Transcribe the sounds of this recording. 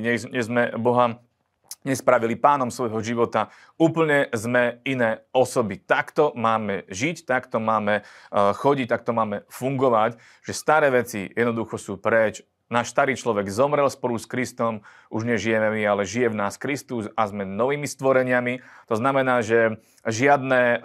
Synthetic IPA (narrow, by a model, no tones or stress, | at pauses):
ɲɛɲɛzmɛbɔɦa | ɲɛspɾaʋilipaːnɔmsʋɔjɦɔʒiʋɔt̪a | uːpl̩ɲɛzmɛinɛːɔsɔbit̪akt̪ɔmaːmɛʒict̪akt̪ɔmaːmɛxɔɟic̚t̪ak̚t̪ɔmaːmɛfuŋɡɔʋac | ʒ̥ɛst̪aɾɛːʋɛt͡sḭjɛd̪nɔd̪uxɔsuːpɾɛt͡ʃ | naːʃst̪aɾiːt͡ʃlɔʋɛɡzɔmɾɛlspɔluskɾist̪ɔm | uʒɲɛʒijɛmɛmialɛʒijɛvnaːskɾist̪usazmɛnɔʋiːmist̪ʋɔɾɛɲɪamit̪ɔznamɛnaːʒɛ | ʒɪad̪nɛ